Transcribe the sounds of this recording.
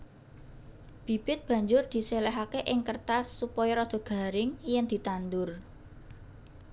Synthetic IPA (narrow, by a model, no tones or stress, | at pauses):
b̥i̤b̥ɪt̪̚b̥ä̤ɲd͡ʒʊrd̪̥i̤sɛlɛɦakeʔɪŋkərt̪asːupɔjɔɾɔd̪̥ɔ̤ɡ̥a̤ɾɪŋjɛŋd̪̥i̤t̪and̪ʊr